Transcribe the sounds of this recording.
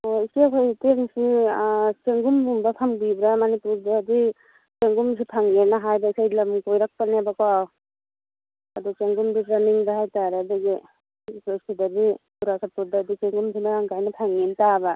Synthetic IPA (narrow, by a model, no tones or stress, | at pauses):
ɔisikʰajteŋsi | t͡ʃeŋɡumbumbapʰambibɾamanipuɾdaːdi | t͡ʃeŋɡums̬ʰipʰaŋenaɦajbaisajdlamuŋpɔjɾak̚panebaka | adut͡ʃeŋɡumditɾaniŋdaɦajtaɾadaɡi | sɔsidabikuɾasapuɾdadit͡ʃeŋɡumsʰimaaŋɡajnapʰaŋintaba